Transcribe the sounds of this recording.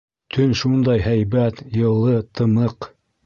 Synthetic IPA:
t̪ʰɵnʃund̪ɑjɦæjβæt̪jɤ̆lˠːɤt̪ʰɤ̆mɤq

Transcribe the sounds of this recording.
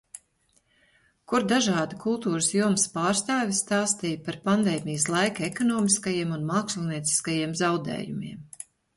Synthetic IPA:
kuɾd̪aʒɑːd̪ikulˠt̪uːɾəsjuɔmspɑːɾst̪ɑːvʲist̪ɑːst̪iːjpaɾpand̪ɛːmʲijəslˠajkaekɔnɔːmiskajiɛmunmaːksilʲˠniɛt̪si̥skajiɛmzawd̪ḛːjumḭɛm

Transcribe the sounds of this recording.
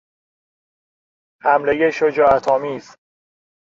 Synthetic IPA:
hæmlejeʃod͡ʒɒːæt̪ʰɒːmiːz̥

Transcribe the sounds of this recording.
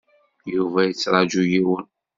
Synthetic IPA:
juvæjət͡sːɾˤɑd͡ʒujiwən

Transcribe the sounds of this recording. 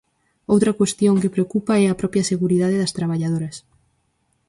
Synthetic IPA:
owt̪ɾɐkwest̪joŋkepɾeokupaɛɐpɾɔpjɐseɣuɾiðaðeðɐst̪ɾaβ̞aʎaðoɾɐs

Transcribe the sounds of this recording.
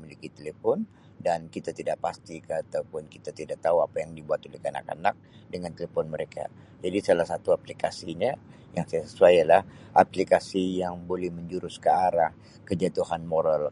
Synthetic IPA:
milikit̪elefɔn | dankit̪at̪idaʔ̚past̪ikat̪aupʊnkit̪at̪idaʔk̚t̪auapajaŋdibuat̪olɛhkana̰ka̰nak̚ | dəŋant̪elefɔnməɾekʰa̰ | d͡ʒadisalahsat̪uaplikasiɲa | jaŋsajasəsuajjalahʔa̰plikasijaŋbolɛhməɲd͡ʒuɾʊskəaɾah | kəd͡ʒat̪uhanmoɾəl

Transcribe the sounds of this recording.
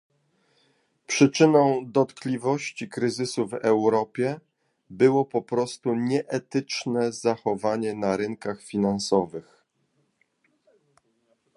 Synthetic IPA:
pʂɘt͡ʂɘnɔ̃w̃d̪ɔt̪klʲivɔɕt͡ɕikɾɘzɘsuvɛwɾɔpʲjɛ | bɘwɔpɔpɾɔst̪uɲɛʔɛt̪ɘt͡ʂnɛzaxɔvaɲɛnaɾɘŋkaxfʲinansɔvɘx

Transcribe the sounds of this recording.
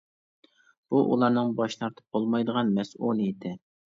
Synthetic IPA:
b̥uʔṵlˠɑɾnɨŋbɑʃnɑɾt̪ʰɨ̥p̚bolˠmɑjd̪əʁɑnmɛsulˠɨjɪt̪ʰɪ

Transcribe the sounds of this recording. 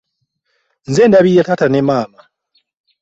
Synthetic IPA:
nzeːndaβijatatanemaːma

